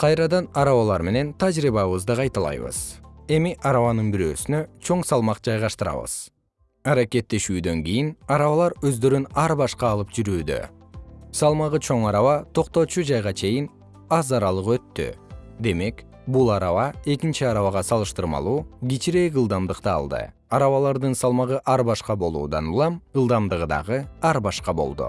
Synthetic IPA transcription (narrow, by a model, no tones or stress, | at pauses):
qʰɑjɾɑd̪ɑnɑɾɑβɑlˠɑɾme̞ne̞nt̪ʰad͡ʒɾiβɑβɯzd̪ɯqʰɑjt̪ɑlˠɑ̰jβɯ̰z̥e̞miʔɑɾɑβɑnɯnbiɾø̞ːsynø̞t͡ʃʰo̞ɴsɑlˠmɑqd͡ʒɑjʁɑʃt̪ɯɾɑ̰βɯ̰z̥ | ɑɾake̞t̪ːe̞ʃyːd̪ø̞ŋɡijinɑɾɑβɑlˠɑɾø̞zd̪ø̞ɾynɑɾbɑʃqɑːlˠɯpd͡ʒyɾyːd̪ø̰ | sɑlˠmɑʁɯt͡ʃʰo̞ŋɑɾɑβɑt̪ʰo̞qt̪o̞t͡ʃud͡ʒɑjʁɑt͡ʃʰe̞jin | ɑzɑɾɑlˠɯqø̞t̪ːy̰d̪e̞me̞k | bulˠɑɾɑβɑe̞kint͡ʃiɑɾɑβɑʁɑsɑlˠɯʃt̪ɯɾmɑ̰lˠuːɡʲit͡ʃiɾe̞jɡɯlˠd̪ɑmd̪ɯqt̪ɯɑ̰lˠd̪ɯ̰ | ɑɾɑβɑlˠɑɾd̪ɯnsɑlˠmɑʁɯʔɑɾbɑʃqɑbo̞lˠṵːd̪ɑ̰nulˠɑmɯlˠd̪ɑmd̪ɯʁɯd̪ɑ̰ʁɯɑɾbɑʃqɑbo̞̰lˠd̪ṵ